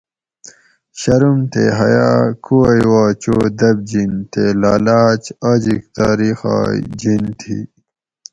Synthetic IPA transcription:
ɕɐɾumt̪eɦɐjaːkʰuɐjwaːt͡ɕoːd̪ɐb̚d͡ʑint̪elaːlaːt͡ɕad͡ʑik̚t̪aːɾixa̰ːd͡ʑint̪ʰḭ

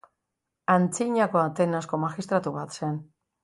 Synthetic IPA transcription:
ant͡siɲako̞at̪e̞nasko̞maxist̪ɾat̪uβat̪se̞n

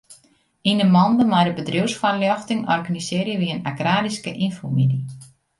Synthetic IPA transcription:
inəmɔndəmajdəbədriwsfanljɔxtɪŋɔrɣanisɪːrjəʋiənaɡraːdiskəʔinfumini

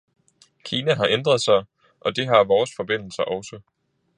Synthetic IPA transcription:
kʰiːnæɦɑ̈ʔend̥ʁɐð̞ˠsɑ̈ɪ | ʔɒ̽d̥e̝ɦɑ̈ʋɒːsfɒ̽b̥e̝n̰l̩sɐʔɒ̽ʊsə

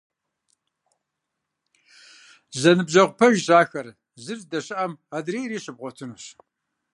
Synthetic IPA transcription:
zɐnɨbʑɐʁʷʊpʰɐʒʑaːxɐr | zɨrdɐɕɪʔɐmadreːjɾiːɕɨb̚ʁʷɔtʰɨnuːɕ

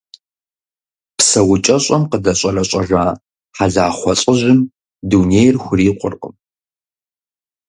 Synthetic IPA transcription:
psɐwʊt͡ʃʼɐɕʼɐmqədɐɕʼɐrɐɕʼɐʒaː | ħaɮaːχʷɔɕʼəʑɪm | duːnejrxʷʊriːqʷʊ̰rqʼə̰m

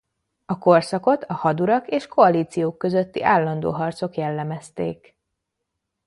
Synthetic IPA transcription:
ɒko̞rsɒko̞t̪ɒhɒd̪uɾɒkeːʃko̞ɒliːt̪sijoːkːø̞zø̞t̪ːiʔaːlːɒnd̪o̰ːɦɒrt̪so̞kjɛlːɛmɛst̪ḛːk

